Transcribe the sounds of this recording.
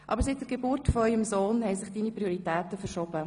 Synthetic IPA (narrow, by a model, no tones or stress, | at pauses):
ʔɑ̰bəɾsit̚d̥ɛɾɡebʊɾtfɔœʏəmsoːnhɛjsɪχd̥iːnipɾioɾitɛːtəfɛɾʃoːb̥ə